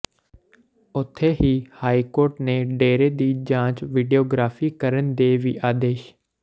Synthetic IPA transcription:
ʊt̪ʰːeːɦiːhaːikoːɾʈnẽːɖeːɾeːd̪iːd͡ʒãːt͡ʃʋɪɖijoːɡɾaːfiːkəɾənd̪eːʋiːʔaːd̪eːʃ

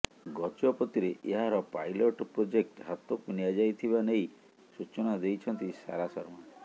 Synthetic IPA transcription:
ɡɔt͡ʃɔpɔt̪iɾeʔeɦaɾɔpa̰jloʈpɾod͡ʒek̚ʈɦat̪ɔkuniad͡ʒajt̪ʰibanej | sut͡ʃɔnad̪ejt͡ʃʰɔnt̪isa̰ɾasɔɾma

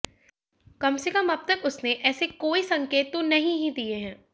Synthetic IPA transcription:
kɐmsekɐmɐb̚t̪ɐkʊsneʔɛːsekoːisɐ̃ŋkeːt̪wõnɐɦĩɦĩd̪ieɦɛ̃ː

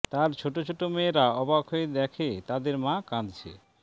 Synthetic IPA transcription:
t̪aɾt͡ɕʰoʈot͡ɕʰoʈomeːɾaɔbakʰoed̪ɛkʰet̪ad̪eɾmãkãd̪t͡ɕʰḛ

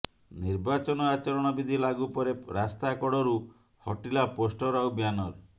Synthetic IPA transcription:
niɾbat͡ʃɔnɔat͡ʃɔɾɔɽ̃ɔbid̪ʱilaɡupɔɾeɾast̪akɔɽɔɾu | hɔʈilaposʈɔɾawbjanɔɾ

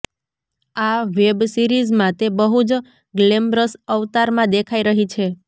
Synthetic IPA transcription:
aʋebsiɾizmãt̪ebəɦud͡ʒ | ɡlembɾəsəʋt̪aɾmãd̪ekʰaiɾəɦit͡ʃʰe

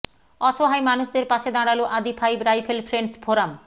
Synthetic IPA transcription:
ɔʃoɦajmanuʃd̪eɾpaʃed̪aɽaloʔad̪ipʰajbɾajfʰelfʰɾeɳɖsbʰʱoɾam

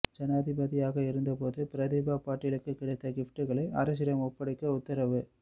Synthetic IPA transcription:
d͡ʒɛnaːðɪbɐðɪjaːɣɐɪɾɯnd̪ɐpoːðɯpɪɾɐðɪbaːpaːʈːɪlɯkːɯkːɪɽɐɪt̪ːɐɡɪfʈɯɣɐɭɐɐ̰ɾɐs̬ɪɾɐmɔpːɐɽɐkːɐʊt̪ːɐɾɐʋɯ

